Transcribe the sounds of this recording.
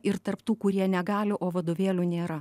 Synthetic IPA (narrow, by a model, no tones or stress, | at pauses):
ɪɾt̪ɐrpt̪uːkʊɾʲiɛnʲɛɡɑːlʲɪʔoːʋɐd̪oːʋʲeːlʲuːnʲeːɾɐ